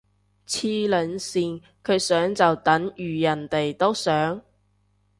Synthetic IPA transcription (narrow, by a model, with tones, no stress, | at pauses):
t͡sʰiː˧lɵ˨˧nsiː˨n | kʰɵ˨˧ɥsœː˨˥ŋt͡sɐ˨wt̪ɐ˨˥ŋjyː˨jɐ˨˩nt̪e˨jt̪o˥wsœː˨˥ŋ